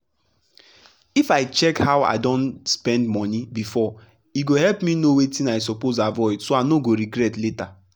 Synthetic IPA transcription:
ifaɪt͡ʃɛkhawa̰ɪdɔ̃nspɛ̃ndmɔnibifɔ | iɡoɦɛlpminowetĩnaɪs̬opozavɔɪdsoanoɡoɾiɡɾɛtleta

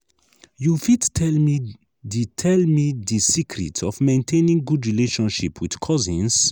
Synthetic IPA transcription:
jufidʰi | ditʰɛlmiðisikʰɾḭtʰɔvmẽntʰẽnĩŋɡudɹileʃɔ̃nʃipʰwið̥kʰɔzĩns

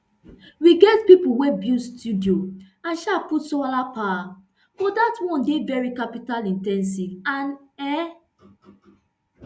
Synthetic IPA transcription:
wiɡɛtpipuwebjustʰudio | ãnʃaputsɔalapawa | bɔdatwɔ̃ndevɛɹikapitalĩntɛ̃ns̬ivãnɛ

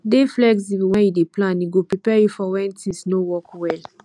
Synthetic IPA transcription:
deflɛksiwɛ̃njideplãniɡopɹipɛjufɔwɛ̃ntʰisnowɔkwɛl

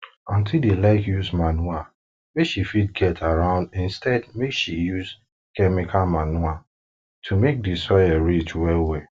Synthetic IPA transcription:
ɔ̃ntʰildilekjusmanua | mekʃifid̚ɡɛtʰaɹãʊ̃ndɪ̃nstɛdmekʃijuz | kɛmikʰamanua | tʰumek̚disɔjaɹit͡ʃwɛwe

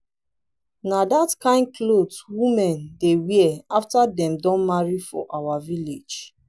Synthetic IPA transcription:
nadatkãɪ̃nd̚kʰloswumɛ̃ndewiaftadɛ̃mdɔ̃nmaɹifɔ̰ʔawaviled͡ʒ

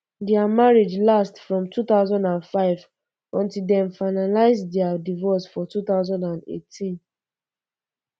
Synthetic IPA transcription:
dɛamaɹed͡ʒlastfɹɔ̃mtʰut̪aʊzɔ̃ndãnfaɪv | ɔ̃ntildɛ̃mfaɪnalaɪsdɛadivɔsfɔtut̪aʊzɔ̃ndãnḛtʰĩn

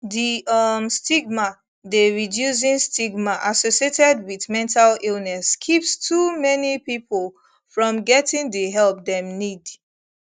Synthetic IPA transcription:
ðiʌmstiɡ̚ma | deɹidjus̬ĩnstiɡmaʔasosietɛdwiðmɛ̃ntʰalilnɛskʰipstʰumɛnipipʰol | fɹɔ̃mɡɛtĩŋdiɦɛlˠp̚dɛ̃mnid

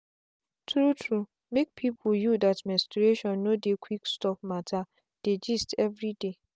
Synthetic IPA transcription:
tʰɹutʰɹu | mek̚pʰipʰujudatmɛ̃stɹeʃɔ̃nːodekʰwikstɔp̚matʰa | d̥ed͡ʒistʰɛvɹide

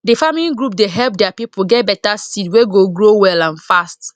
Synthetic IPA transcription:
difamiliɡɹupdeɦɛlp̚dɛapipuɡɛt̚bɛtasidweɡoɡɹowɛlãnfast

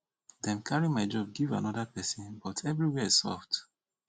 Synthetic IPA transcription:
dɛ̃mkʰaɹimaɪd͡ʒɔb̚ɡiva̰nɔdapɛsĩnbɔtʰɛvɹiwɛsɔ̰fd

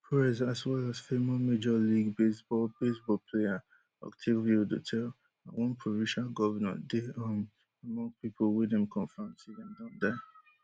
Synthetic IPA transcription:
pʰɹɛzaswɛlasfemɔmed͡ʒɔliɡbesb̥ɔlb̥esbɔlpʰlea | ɔ̰ktʰiviodṵtʰɛl | awɔ̃npʰɹɔvĩnʃalɡɔvənã̰ndeʌm | amɔ̃ŋɡ̚pipʰolwɛdɛ̃mkʰɔ̃ɱfɹɔ̃mtidɛ̃mdãndɛ

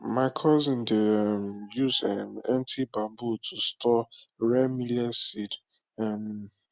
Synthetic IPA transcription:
maɪkʰɔzɪ̃ndemjuzɛmãntʰibãmbutʰustɔɹɛmilɛsid | ɛm

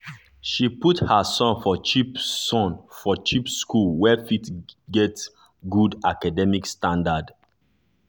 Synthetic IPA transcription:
ʃiputhasɔ̃nfɔt͡ʃipsɔ̃nfɔt͡ʃipskulwɛfitɡɛt | ɡudakadɛmikstãndad

